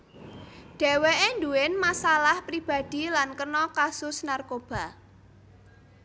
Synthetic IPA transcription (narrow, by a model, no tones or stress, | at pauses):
ɖ̪̥ɛ̤weʔend̪uɪnmasalahpɾib̥ä̤d̪̥i̤lankənɔkasʊsnarkob̥a̤